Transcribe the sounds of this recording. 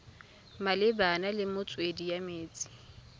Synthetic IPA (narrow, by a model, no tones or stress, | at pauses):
malɪbanalɪmʊt͡sʼwedijameːt͡sʼi̥